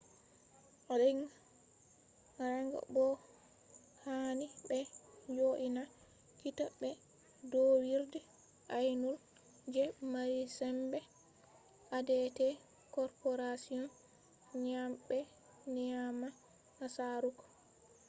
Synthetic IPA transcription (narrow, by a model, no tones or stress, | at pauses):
ʔɔlɛn | ɾaŋɡa̰bɔ | hanibɛd͡ʒoʔina | kitabɛ | dɔwiɾdɛ | ʔajnul | d͡ʒɛmaɾisɛmbɛ | ʔadɛtɛ | kɔɾpɔɾasiɔn | ɲamɓɛ | niama | asaɾukɔ̥